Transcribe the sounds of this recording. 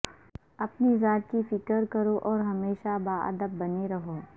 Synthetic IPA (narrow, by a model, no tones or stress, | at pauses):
ɐpnizaːt̪̚kifɪkəɾkɐɾoʔɔːɾɦɐmeːʃabaːʔɐ̰d̪əbːɐneɾɐɦoː